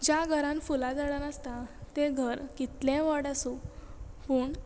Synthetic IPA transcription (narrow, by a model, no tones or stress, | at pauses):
d͡ʑaɡʱəɾãnfulad͡zaɽanəst̪at̪eɡʱəɾkit̪lẽʋəɽasũpuːɳ